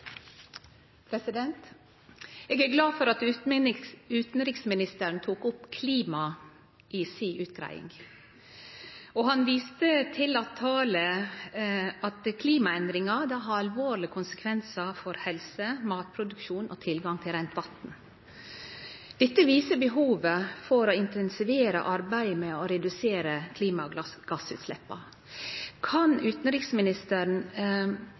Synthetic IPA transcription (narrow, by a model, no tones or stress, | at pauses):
pʰɾɛsɪd̪ɛnt̪ | eːɡæɡlɑːfɔɾɑt̪ | ʉːt̪n̩ɾɪksmɪnɪst̪əɾɳ̩t̪ʰuːkʊpkʰliːmɑ | ʔisiːʔʉːt̪ɡɾæ̰ɪɪ̰ŋ | oːhɑnʋiːst̪ət̪ʰɪlɑt̪ʰːɑːlə | ɑt̪kʰliːmɑɛnd̪ɾɪŋɑd̪ɑːɦɑɾɑlʋoːɾɭɪkʰʊnsə̥kʰʋɛnsɑfɔɾhɛlsəmɑːt̪̚pʰɾʊd̪ʉkʃuːnʔɔ̰ːt̪ʰɪlɡɑŋt̪ʰɪlɾɛnt̪ʋɑt̪n̩ | d̪̥ɛt̪ːəʋiːsəbəɦuːʋəfɔɾoɪnt̪ʰɛnsɪʋeːɾə̰ʔɑɾbæɪmɛɔɾɛd̪ʉseːɾəkʰliːmɑɡ̥ɑsʉ̰ːt̪slɛpːɑ | kʰɑnʉːt̪n̩ɾiːksmɪnɪst̪əɾn